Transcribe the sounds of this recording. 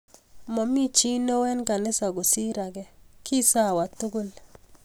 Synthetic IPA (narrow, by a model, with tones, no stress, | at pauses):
mɔ˨mi˦t͡ʃi˦no˦wɛ˦nka˨nɪ˦sa˨ɡo˨si˦ɾa˨ɡɛ˨kʰi˦sa˦˨wa˨t̪u˦ɡo˦l